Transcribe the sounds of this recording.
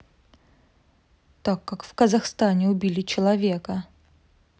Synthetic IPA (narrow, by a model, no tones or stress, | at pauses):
t̪akːakfkəzɐxst̪anʲɪʊbʲilʲɪt͡ɕɪlˠɐvʲekə